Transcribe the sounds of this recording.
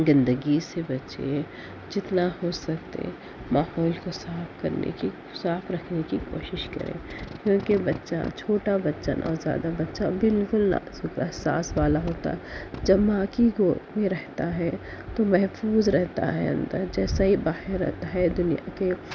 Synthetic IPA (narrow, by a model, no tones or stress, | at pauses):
zɪ̃nd̪əɡisebɐtːt͡ʃḛ | d͡ʒɪt̪nahosɐkt̪ḛ̃ | maːɦɔːlkosaːfkɐɾnḛki | saːfɾɐkʰnekikoːʃɪʃkɐ̰ɾḛ̃ːkjõːkebɐtːʃa̰t͡ʃʰoːʈabɐtːʃə̰nʔɔ̰ːɾzja̰ːd̪abɐtːʃa̰bɪlkʊlna̰sʊkɛɦsa̰ːsʋaːlaɦoːt̪a̰ɦɛd͡ʒɐbːaːkiɡoːmẽɾɛɦt̪aɦɛ | t̪omɛɦfuːzɾɛɦt̪a̰ɦɛ̰ɐ̰̃nd̪ə̰ɾd͡ʒɛːsaɦibaːhɪɾːɛ̰ɦt̪aɦɛd̪ʊnijake